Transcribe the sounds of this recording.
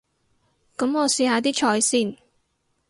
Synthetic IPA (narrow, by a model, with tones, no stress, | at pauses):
kɐ˨˧˥mɔː˨˧siː˧haː˨˧t̪̬iː˥t͡ʃʰɔː˧jsiː˥˩n